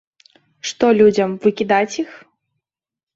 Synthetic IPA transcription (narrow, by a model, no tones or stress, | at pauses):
ʂt̪ɔlʲud͡zʲɐmvɨkʲid̪at͡sʲix